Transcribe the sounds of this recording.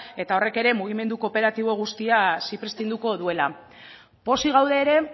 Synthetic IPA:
e̞t̪ao̞re̞ke̞ɾe̞muɣ̞ime̞nd̪uko̞pe̞ɾat̪iβ̞o̞ɣ̞ust̪iasipɾe̞st̪ind̪uko̞ðue̞la | po̞siɣ̞awðe̞ːɾe̞

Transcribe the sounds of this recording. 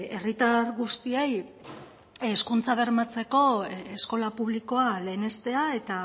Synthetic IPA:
e̞rit̪aɾɣust̪iej | eskunt͡saβ̞e̞ɾmat͡se̞ko̞esko̞lapuβ̞liko̞ale̞ːne̞st̪e̞ae̞t̪a

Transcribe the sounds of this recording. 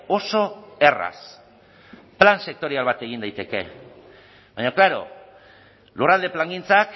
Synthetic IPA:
o̞so̞e̞ra̰s | planse̞k̚t̪o̞ɾialβat̪e̞ɣind̪ajt̪e̞ke̞̰ | βajɲoklaɾo̞̰ | lurald̪e̞plaŋɡint͡sak

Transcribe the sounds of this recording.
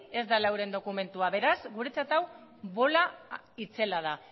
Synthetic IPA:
e̞zd̪alawɾe̞nd̪o̞kume̞nt̪uaβe̞ɾazɡuɾe̞t͡sat̪aw | βo̞la | it͡se̞lað̞a

